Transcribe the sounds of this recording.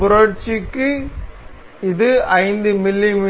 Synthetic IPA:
pʊɾɐʈt͡ʃikːɯ | ɪðɯɐɪnd̪ɯmɪlːimi

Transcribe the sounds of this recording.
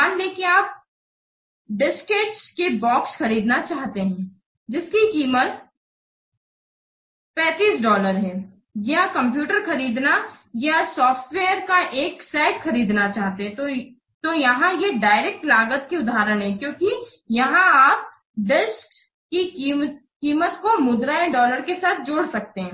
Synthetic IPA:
aːnleːkiẽaːp̚ | ɖɪskeːt͡ʃkebɔːksxɐɾiːd̪nat͡ʃaːɦt̪eɦɛ̃ː | d͡ʒɪskikiːmət̪ | pɛ̃ːt̪iːsɖɔːləɾɦɛ̃ː | jɐɦãkɐ̃mp̬juːʈəɾxɐɾiːd̪na | jasɔːfʈweːəɾkaʔeːksɛːkxɐɾiːd̪nat͡ʃaːɦt̪eɦɛo | t̪ojɐɦãjeɖaːɪɾeːk̚ʈlaːɡət̪kiʊd̪aːɾəɽ̃ɦɛkjõːki | jɐɦãaːp̚ | ɖɪʃʈ | kikiː | kiːmət̪komʊd̪ɾaẽɖɔːləɾkesaːt̪̚ʰd͡ʒoːɽsɐk̚t̪eɦɛ̃ː

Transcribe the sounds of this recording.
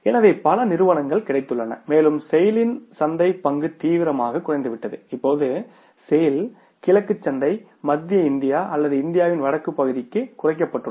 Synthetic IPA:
ɛnɐðeːpɐlɐnɪɾɯʋɐnɐŋɡɐɭkɪɽɐɪt̪ːɯɭːɐnɐ̰meːlɯmsɛjɪlɪnsɐnd̪ɐɪpːɐŋɡɯt̪iːʋɪɾɐmaːɣɐkːʊrɐɪnd̪ɯʋɪʈːɐðɯɪpːoːðɯ | sɛjɪl | kɪlɐkːɯt͡ʃːɐnd̪ɐɪ | mɐd̪ːɪjɐɪnd̪ɪjaːʔɐlːɐðɯɪnd̪ɪjaːʋɪnʋɐɽɐkːɯpːɐɣɯðɪkːɯkʊrɐɪk̬ːɐpːɐʈːɯ

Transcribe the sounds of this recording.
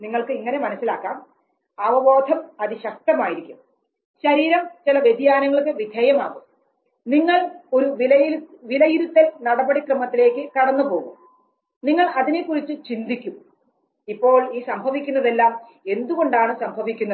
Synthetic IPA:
niŋːɐɭkɨiŋːɐnemɐnɐsːilaːkːaːm | ɐʋɐʋo̞ːd̪ʱɐmɐðiɕɐk̚t̪ɐmaːjiɾikʲːum | ɕɐɾiːɾɐmt͡ɕilɐʋjed̪ʱjaːnɐŋːɐɭkːɨʋid̪ʱɐːjɐma̰ːɣum | niŋːɐɭo̞ɾuʋilɐjʋilɐjiɾut̪ːelnɐɽɐbɐɽikrɨmɐt̪ːile̞ːkʲːɨkɐɽɐnːupo̞ːɣum | niŋːɐɭɐðinekːurit͡ɕːɨt͡ɕind̪ikʲːum | ipːo̞ːɭiːsɐmbʱɐʋikʲːunːɐðe̞lːaːme̞nd̪uɣo̞ɳɖaːɳɨsɐmbʱɐʋikʲːunːɐ

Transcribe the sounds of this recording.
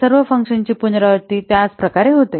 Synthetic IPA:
səɾʋəfəŋkʂənt͡ɕiːpunɾəʋəɾt̪iːt̪ead͡zpɾəkaɾeɦot̪e

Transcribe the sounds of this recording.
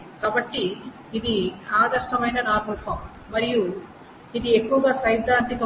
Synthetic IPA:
kaːbɐʈːiː | d̪iaːd̪ɐɾsʈɐmɐjnɐnaːɾmɐlpʰɐm | mɐɾiju | id̪ie̞kːuʋɐɡaːsɐjd̪ʱːaːnt̪ikɐ

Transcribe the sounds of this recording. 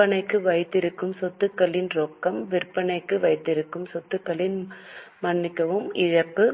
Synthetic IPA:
ɐnɐɪkːɯʋɐɪt̪ːɪɾɯkːɯmsɔt̪ːɯkːɐɭɪnɾoːkːɐmʋɪrpːɐnɐɪkːɯʋɐɪt̪ːɪɾɯkːɯmsɔt̪ːɯkːɐɭɪnmɐnːɪkːɐʋɯmɪɻɐpːɯ

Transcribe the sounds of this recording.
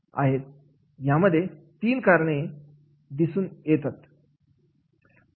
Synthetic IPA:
a̰ɦet̪̚ | jaməd̪ʱːje | t̪iːnkaɾɳe | d̪isuːnjet̪at̪

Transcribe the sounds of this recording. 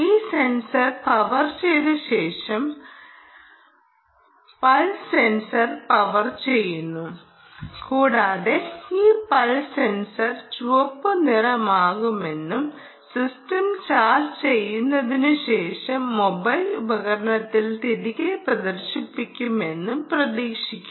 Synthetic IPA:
iːse̞nsɐrpɐʋɐrt͡ɕejðɨɕe̞ːʂɐm | pɐlse̞nsɐrpɐʋɐrt͡ɕe̞jːunːu | kuːɽaːðeiːpɐlse̞nsɐrt͡ɕuʋɐpːɨnirɐmaːɣume̞nːum | sistɐmt͡ɕaːrt͡ɕe̞jːunːɐðinɨɕe̞ːʂɐmːo̞bɐjlubɐɣɐɾɐɳɐt̪ːilt̪iɾiɣɐjprɐd̪ɐrɕipːikʲːume̞nːumprɐðiːʂikʲːum

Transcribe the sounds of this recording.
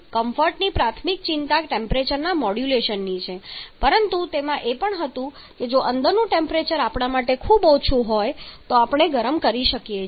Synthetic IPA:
kəmfəɾʈnipɾat̪ʰmik̚t͡ʃɪnt̪aʈempɾet͡ʃəɾnamɔɽjuleʃənːit͡ʃʰepəɾənt̪ut̪emãʔepəɳɦət̪ũ | ked͡ʒoʔənd̪əɾnũʈempɾet͡ʃəɾapɳamaʈekʰubot͡ʃʰũɦojt̪oapəɳ̃eɡəɾəmkəɾiʃəkje

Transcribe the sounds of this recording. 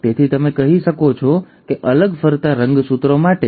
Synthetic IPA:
t̪et̪ʰit̪əmekəɦiʃəkot͡ʃʰɔ | keʔələɡfəɾt̪aɾəŋɡsut̪ɾomaʈe

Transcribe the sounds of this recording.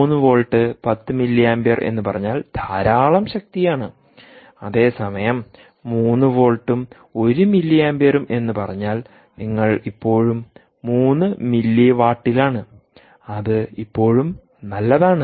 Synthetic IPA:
nːɨʋo̞ːɭʈːɨpɐt̪ːɨmilːijaːmbeːrʔḛnːupɐrɐɲːaːld̪ʱaːɾaːɭɐmɕɐk̚t̪ijaːɳɨ | ɐðe̞ːsɐmɐjɐmː | uːnːuʋo̞ːɭʈːum | o̞ɾumilːijaːmbeːɾume̞nːupɐrɐɲːaːl | niŋːɐɭipːo̞ːɻumː | uːnːɨmilːiʋaːʈːilaːɳɨ | ɐðɨipːo̞ːɻum | nɐlːɐðaːɳɨ

